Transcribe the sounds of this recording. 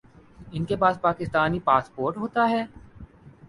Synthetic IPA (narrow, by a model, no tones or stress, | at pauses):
ɪnkepaːd̪̚paːkɪst̪aːnipaːspoːɾʈɦoːt̪aɦɛː